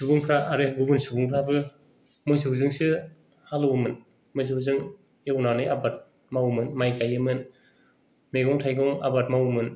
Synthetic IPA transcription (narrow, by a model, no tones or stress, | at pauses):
subuŋpʰɾaʔːɾeɡubunsubuŋpʰɾabɯ | mojsɯuzɯŋsɯ | halɔwmɯn | mɯjs̬ɯuzɯŋ | ewnanɯjabat̚ | mawmɯnmajkajɯmɯn | meɡɔŋtʰajɡɔŋa̰bat̚mawmɯn